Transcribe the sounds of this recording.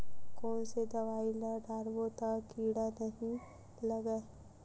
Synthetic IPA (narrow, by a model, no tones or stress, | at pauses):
kɔːnsed̪ɐʋaːiləɖʱaːɾbot̪akiːɽanɐɦĩ | lɐɡə